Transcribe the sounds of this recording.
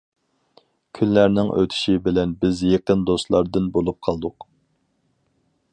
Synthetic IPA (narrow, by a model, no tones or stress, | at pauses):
kʲʰynlæɾnɪŋʔø̰t̪ʰy̥ʃibɪlɛnbɪzjeqənd̪ost̪lˠɑɾd̪ɨnbolˠup̚qʰɑlˠd̪ʊq